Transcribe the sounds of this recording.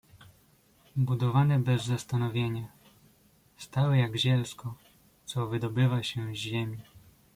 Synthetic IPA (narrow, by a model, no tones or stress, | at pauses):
bud̪ɔvanɛbɛzːast̪anɔvʲjeɲa | st̪awɛjaɡʑɛlskɔ | t̪sɔvɘd̪ɔbɘvaɕɛʑemʲi